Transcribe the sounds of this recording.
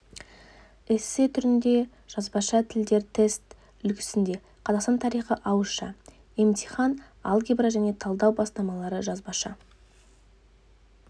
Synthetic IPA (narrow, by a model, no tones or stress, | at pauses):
ɪsɪt̪ʰʏɾɪnd̪e̞ | ʒ̥ɑzbɑʃɑt̪ʰɪld̪e̞ɾt̪ʰe̞st̪ | ʏlkʲʰɪ̥sɪnd̪e̞ | qʰɑzɑqst̪ɑnt̪ʰɑɾijχəʔɑwəʃɑ̰ | emt̪ʰiχɑn | ɑ̰lˠɡʲibɾaʒæne̞t̪ʰɑlˠd̪ɑwbɑst̪ɑmɑlˠɑɾəʒɑzbɑʃɑ